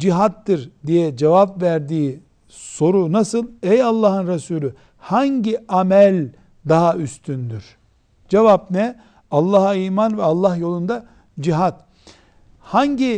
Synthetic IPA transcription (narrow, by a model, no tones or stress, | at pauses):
d͡ʒiɦat̪ːɯɾd̪ijɛd͡ʒevapvæɾd̪iː | so̞ɾunasɯlˠɛjalˠːɑːɦɯnɾesuːlʲy | haɲɟiamɛlʲ | d̪aɦayst̪ʰynd̪yɾ̥ | d͡ʒevapnɛ | alˠːaːɦaiːmanvɛalˠːaɦjo̞lˠund̪a | d͡ʒiɦat̪ | haɲɟi